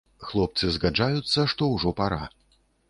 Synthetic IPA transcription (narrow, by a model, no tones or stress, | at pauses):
xlˠɔp̚t̪sɨzɣad͡ʐajut̪sːɐʂt̪ɔwʐɔpaɾa